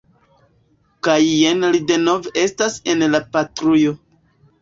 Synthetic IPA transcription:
kajːenlide̞no̞veʔe̞stase̞nlapatɾujo̞

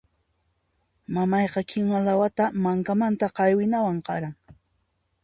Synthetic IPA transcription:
mamɑjqɑkʰɪŋwalawat̪amaŋkamant̪aqɑjwɪnawaɴqɑ̰ɾaŋ

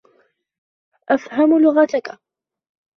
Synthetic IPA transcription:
ʔafhamlʊɣat̪aka

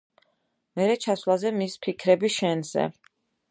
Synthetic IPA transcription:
mɛɾɛt͡ʃʰaslˠazɛmispʰikʰɾɛbiʃɛnz̥ɛ̰

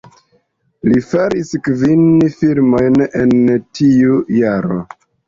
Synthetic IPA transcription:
lifaɾiskvinfilmo̞jnentʰiujaɾo̞̰

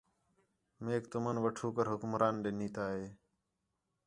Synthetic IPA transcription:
meːkt̪ʊmənʋəʈʰuːkəɾɦʊkʊmɾʔaːnɗeːniːt̪aːɦeː

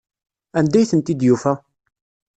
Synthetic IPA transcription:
ænd̪æjθənt̪id̪jufæ

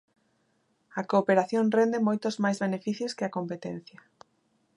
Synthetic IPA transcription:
ɐkoːpeɾaθjõnrend̪emojt̪ʊzmajzβenefiθjʊskɪɐkompet̪en̟θjɐ

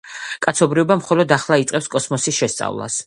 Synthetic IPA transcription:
kʼat̪sʰɔbɾiɔbamχɔlɔd̪aχlˠait̪sʼɛpskʼɔsmɔsisʃɛst̪sʼa̰vlˠa̰s

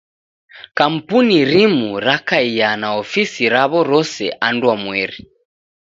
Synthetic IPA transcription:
kam̩puniɾimuɾakaijanaɔfisiɾaβɔɾɔsɛ̰ʔandwamwɛɾi

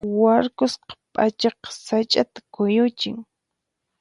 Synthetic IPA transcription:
waɾkʊsqɑ̥pʼat͡ʃɑqɑ̥sat͡ʃʼat̪ḁkʊjʊt͡ʃɪ̰ŋ

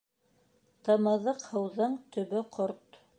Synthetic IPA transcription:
t̪ɤ̆mɤ̆ðɤqhɤ̆wðɤɴt̪ɵ̆βɵqʰoɾt̪

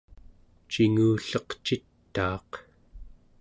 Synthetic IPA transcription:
t͡ʃiŋuːɬʌqt͡ʃit̪ːɑːq

